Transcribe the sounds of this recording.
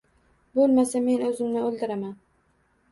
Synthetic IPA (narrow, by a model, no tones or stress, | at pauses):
bolˠmasame̞nɵzɪmnɪɵlˠd̪ɪɾaman